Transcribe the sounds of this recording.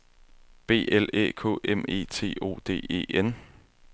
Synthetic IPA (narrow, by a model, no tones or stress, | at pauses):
b̥e̝̰ːelḛːkʰo̰ːʔeme̝̰ːt͡sʰe̝̰ːo̝̰ːd̥e̝̰ːe̝̰ːen̰